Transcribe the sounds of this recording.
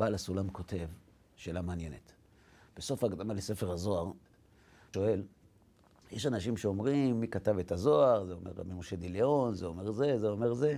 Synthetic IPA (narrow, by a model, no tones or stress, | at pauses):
b̥aːlasulamko̞tʰe̞v | ʃelamaːnje̞net̪ | b̥eso̞faːɡd̪amalese̞fe̞ʁazo̞aʁ | ʃo̞e̞l | jeʃanaʃimʃeo̞mʁimːikatave̞tazo̞aʁzeo̞meʁa̰mimoʃe̞d̪ileo̞nzeome̞ʁze̞zeo̞me̞ʁze̞